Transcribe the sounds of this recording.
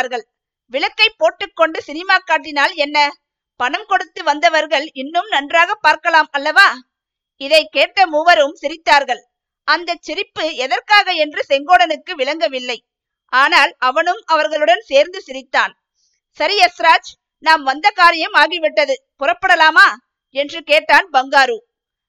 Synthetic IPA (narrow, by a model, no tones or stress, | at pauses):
ɾɣɐɭ | ʋɪɭɐkːɐɪpːoːʈːɯkːɔɳɖɯsɪnɪmaːkːaːʈːɪnaːlɛnːɐ | pɐɳɐmkɔɽɯt̪ːɯʋɐnd̪ɐʋɐɾɣɐɭɪnːɯmnɐndraːɣɐpːaːɾkɐlaːmɐlːɐʋaː | ɪðɐɪkeːʈːɐmuːʋɐɾɯmsɪɾɪt̪ːaːɾɣɐɭ | ʔɐnd̪ɐt͡ʃːɪɾɪpːɯɛðɐɾkaːɣɐɛndrɯsɛŋɡoːɽɐnɯkːɯʋɪɭɐŋɡɐʋɪlːɐɪ | ʔaːnaːlɐʋɐnɯmɐʋɐɾɣɐɭɯɽɐnseːɾnd̪ɯsɪɾɪt̪ːaːn | sɐɾiɛsɾaːd͡ʒ | naːmʋɐnd̪ɐkaːɾɪjɐmaːɣɪʋɪʈːɐðɯ | pʊrɐpːɐɽɐlaːmaː | ɛndrɯkeːʈːaːnbɐŋɡaːɾuː